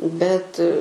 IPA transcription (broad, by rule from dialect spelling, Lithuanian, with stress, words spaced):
bʲɛt